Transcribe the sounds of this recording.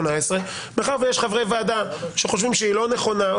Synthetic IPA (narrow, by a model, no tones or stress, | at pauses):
naesʁe | meχaʁvejeʃχavʁevead̪aʃeχo̞ʃvimʃeiːlo̞ne̞χo̞na